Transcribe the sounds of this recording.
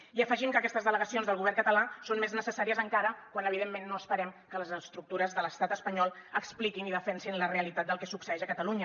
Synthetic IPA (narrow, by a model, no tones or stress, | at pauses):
iəfəʒimkəkɛst̪əzðələɣəsionzðəlɣuβɛrkət̪əlasonmeznəsəsaɾiəzəŋkaɾəkwanəβ̞iðemːenːoəspəɾɛmkələzəst̪ɾuk̚t̪uɾəzðələst̪at̪əspəɲɔlˠəksplikiniðəfɛnsinləreəlit̪at̪̚d̪əlˠkɛsuksəɛʃəkət̪əluɲə